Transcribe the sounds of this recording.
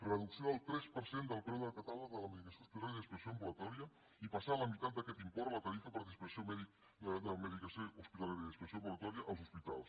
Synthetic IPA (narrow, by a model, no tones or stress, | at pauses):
rəðuksioəlˠt̪ɾɛspəɾsend̪əlˠpɾɛwðəkət̪aləðələməðikəsouspit̪alajəðispəksjoəmbulət̪ɔɾiə | ipasaləmit̪at̪̚d̪əkɛt̪impɔɾlət̪aɾifəpəɾðispəsiomɛðik | d̪əməðikəsjouspit̪aljaɾjəðispəksombulət̪ɔɾiəʔəlˠzuspit̪a̰lˠs